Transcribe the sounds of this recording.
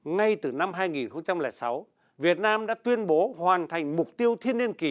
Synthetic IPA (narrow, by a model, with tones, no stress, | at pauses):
ŋa˧jt̪ɨ˨˩na˧mɦaː˧jŋi˨˩nxə˧wŋ͡mt͡ɕa˧mlɛː˧˩sa˨˦w | vi˨˩ət̚naː˧mɗa̰ː˧˥t̪wi˧ənɓo˨˦hwaː˨˩nt̪ʰa˨˩jŋ̟mʊ˨˩k͡p̚t̪i˧əwt̪ʰi˧ənːi˧ənki˧˩